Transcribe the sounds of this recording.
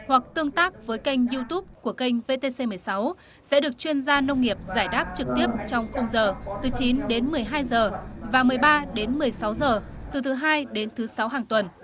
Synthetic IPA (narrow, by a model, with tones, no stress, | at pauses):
hwa˨˩k̚t̪ɨ˧əŋt̪aː˦˥k̚vəː˨˦jka˧jŋ̟zi˧t̪u˦˥p̚ku˧˩əka˧jŋ̟ve˧t̪e˧se˧mɨ˨˩əjsa˨˦w | sɛ̰˧˥ɗɨ˨˩ək̚t͡ɕwi˧ənzaː˧nə˧wŋ͡mŋi˨˩əp̚zaː˧˩jɗaː˦˥p̚t͡ɕɨ˨˩k̚t̪i˦˥əp̚t͡ɕɔ˧wŋ͡mxə˧wŋ͡mzəː˨˩t̪ɨ˨˩t͡ɕi˨˦nɗe˨˦nmɨ˨˩əjɦaː˧jzəː˨˩vaː˨˩mɨ˨˩əjɓaː˧ɗe˨˦nmɨ˨˩əjsa˨˦wzəː˨˩t̪ɨ˨˩t̪ʰɨ˨˦ɦaː˧jɗe˨˦nt̪ʰɨ˨˦sa˨˦wɦaː˨˩ŋt̪wə˨˩n